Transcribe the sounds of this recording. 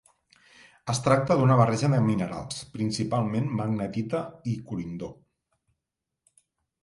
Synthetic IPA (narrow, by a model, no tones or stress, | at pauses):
əst̪ɾak̚t̪əðunəβ̞arɛʒəðəminəɾa̰lˠspɾinsipalˠmenmaɡnət̪it̪əikuɾind̪o